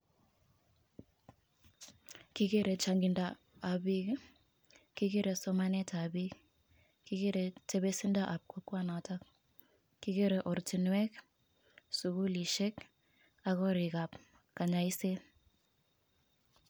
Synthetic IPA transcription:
ki˦ke˦ɾɛ˨t͡ʃa˨ŋɡi˨ndaː˦˨ | bi˦k | ki˦ke˦ɾɛ˨sɔ˦ma˦nɛ˦ta˨bi˦k | ki˦ke˦ɾɛ˨te˦be˦si˦nda˦ʔa˨p̚kɔ˦kwa˦na˨ta˦k̚ | ki˦ke˦ɾɛ˨ʔɔ˨ɾti˨nwɛ˦k | su˨ku˦li˨ʃɛ˦k | a˨kɔ˦ɾɪ˨ka˨p | ka˨ɲa˨i˦se˦

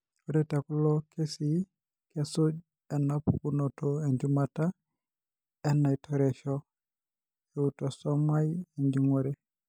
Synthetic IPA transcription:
o˦ɾɛ˦ta˨ku˦lɔkʰe˦si˨ | kɛ˦so˦d͡ʒ | ɛ˨napu˨kunɔtɔe˨ɲd͡ʒumata˦ | ɛ˦na˨itʰɔɾɛ˨ʃɔ | eutɔ˨sɔ˦ma˦ieɲd͡ʒi˦ŋo˦ɾɛ˦˨

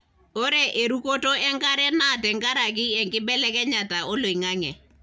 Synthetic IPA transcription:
o˦ɾe˦˨ʔe˨ɾu˦ko˦to˦ɛ˦ŋɡa˦ɾɛ˦na˦˨tɛ˨ŋɡa˦ɾa˨k̬ɪ˦ɛ˨ŋkɪ˦ɓɛ˦lɛ˦kɛ˦ɲa˨ta˨ɔ˦lo˨i˨ŋa˦ŋɛ˨

